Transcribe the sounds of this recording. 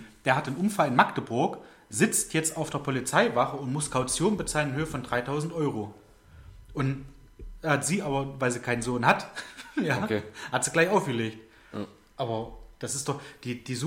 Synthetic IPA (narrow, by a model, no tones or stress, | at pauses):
d̥eːɐɦatanʔʊmfalɪnmaktəbʊɐk | z̥ɪt͡stʰjɛt͡staʊfd̥eːɐpʰɔlit͡saɪvaχəʊntmʊskʰaʊt͡sjoːnbət͡saːlənɪnhøːəfɔndʁaɪtʰaʊzn̩tʔɔʏʁo | ʔʊnt | hatz̥iːʔaːbɐvaɪlziːkʰaɪnənzoːnɦatjaːhatz̥iːɡlaɪçaʊfɡ̥əleːkt | ʔaːbɐd̥asɪstd̥ɔχd̥iːd̥iːzu